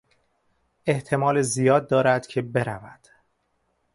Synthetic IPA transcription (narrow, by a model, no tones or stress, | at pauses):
e̞ht̪ʰe̞mɒːlezijɒːd̪̚ːɒːɾæd̪̥cʰe̞be̞ɾævæd̪̥